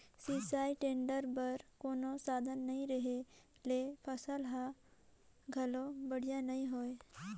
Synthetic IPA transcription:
siːsaːiʈẽːɳɖəɾpɐɾkoːnosaːd̪ʱənːɐɦĩɾɐɦe | lepʰɐsəlɦã | ɡʱɐlobɐɽ̤ijanɐɦĩɦoːe

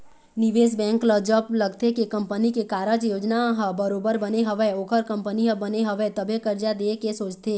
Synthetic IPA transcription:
nɪʋeːsbɛ̃ːŋkləd͡ʒəblɐɡt̪ekekɐ̃mpənikekaːɾəd͡ʒjoːd͡ʒnaɦbəɾoːbəɾbəneɦɐʋɛoːkʰəɾkɐ̃mpəniɦəbəneɦɐʋɛt̪əbʱekəɾd͡ʒad̪eːkesoːt͡ʃt̪eː

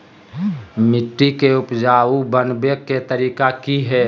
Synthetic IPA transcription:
mɪʈːikeʊpd͡ʒaːubənbeket̪əɾiːkakiɦɛː

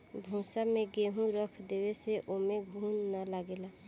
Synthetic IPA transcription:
bʱũːsamẽɡeːɦũɾəkʰd̪eːweseʔoːmẽɡʱuːnːalaɡelaː

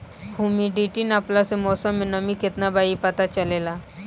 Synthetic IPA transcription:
huːmiɖiːʈinaplasemɔːsəmːẽnɐmĩkɪt̪nabaːipɐt̪at͡ʃɐleːlaː

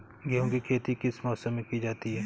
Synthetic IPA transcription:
ɡiõɡikʰeːt̪ikɪsmɔːsəmːẽkid͡ʒaːt̪iɦɛː

